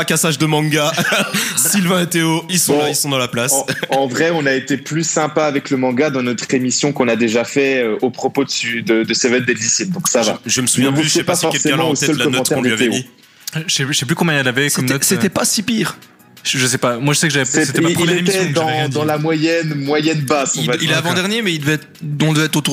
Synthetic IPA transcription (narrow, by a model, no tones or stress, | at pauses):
pakasaʒd̪əmɑ̃ɡa | silvɛ̃et̪eoilsɔ̃lailsɔ̃d̪ɑ̃laplasɑ̃vʁɛɔ̃naet̪eplysɛ̃paːvɛkləmɑ̃ɡad̪ɑ̃nɔt̪χemisjɔ̃kɔ̃nad̪eʒafɛøʔopχɔpod̪əsyd̪əd̪əsevɛnd̪ɛld̪isid̪ɔ̃ksava̰ʒəməsuʒvjɛ̃vuepafɔʁkɛlseɛ̃lmɑ̃osɛdəllanɔɑ̃t̪k̪ɛʁkɔ̃lyavɛoi | ʒɛʒsɛplykɔmbjɛ̃ɛlavɛkmɛset̪ɛpasipiːʁ | ʒəs̬ɛpamwaʒəsɛkʒavɛsɛset̪ɛapileesɛd̪ɑ̃dd̪ɑ̃lamwajɛnmwajɛnbasɔ̃vailɛavɑ̃d̪ɛʁnjemɛild̪əvɛt̪ | d̪ɔ̃d̪əvɛɛt̪χot̪u